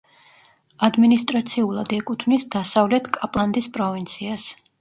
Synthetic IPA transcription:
ad̪minist̪ʼɾat̪sʰiulˠad̪ɛkʼut̪ʰmisd̪asavlɛt̪ʰkʼapʼlˠand̪ispʼɾɔvint̪sʰias

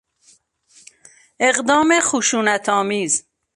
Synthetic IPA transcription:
eɣd̪ɒːmexuʃuːnæt̪ʰɒːmiːz

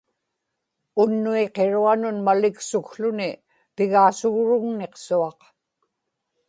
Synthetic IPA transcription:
ʊnːueqe̞ɻuanʊnmalɪksʊkɬʊnɪ | pɪɣaːsʊɣɻʊɣneqsuɑq

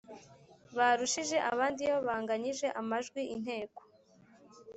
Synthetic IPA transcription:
βaɾuʃiʒe̞ʔa̰βaːndijoβaːŋɡaɲiʒe̞ʔamaʒɡwiʔin̥he̞ːko̥

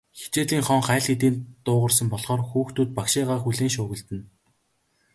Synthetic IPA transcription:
xe̥t͡ɕeːɮiːŋχɔŋχæːɮxit̪̬iːnt̪ʊːʁə̆rsə̆mpɔɮχɔːrxuːxt̪ʰuːt̪̚pakʃɪːʁaːχxuɮeːŋʃʊːɣɘ̆ɮt̪ɘ̆n

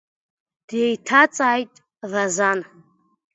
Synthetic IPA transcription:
d̥jejtʰat͡sʼaːjtʼ | lazan

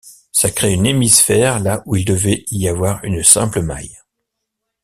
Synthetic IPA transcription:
sakχeynemisfɛʁlaʔuild̪əvɛiavwaʁynsɛ̃pləma̰j

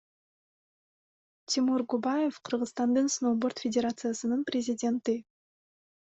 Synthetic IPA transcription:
t̪ʲʰɪmuɾɡubajefqʰɯɾʁɯst̪ɑnd̪ɯnsnobort̪fʲɪdʲeɾat̪sɨjasɯnɯnprʲɪzʲɪdʲe̞nt̪i

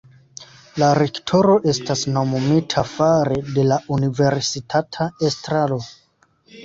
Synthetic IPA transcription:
laɾe̞ktʰo̞ɾo̞ʔe̞stasno̞momitʰafaɾede̞laʔunive̞ɾsitʰatʰaestɾalo̞

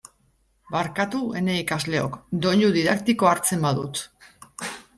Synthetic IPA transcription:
baɾkat̪ue̞ne̞ikazle̞o̞̰kd̪o̞ʎuðiðakt̪iko̞aɾt͡se̞mbaðut̪

